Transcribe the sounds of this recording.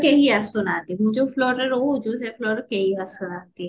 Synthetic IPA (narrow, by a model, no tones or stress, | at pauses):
keɦiasʊnaːt̪emʊd͡ʒoflɔːɾəɾod͡ʒoːsɛfʰlɔːɾəkeɦiasʊnaːt̪e